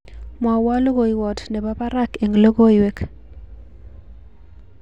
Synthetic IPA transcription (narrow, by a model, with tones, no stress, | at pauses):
mwa˨wa˦lo˦ɡo˨i˨wɔ˨tnɛ˨ba˦pa˦ɾa˦ke˨ŋɡlo˦ɡo˦jwe˦k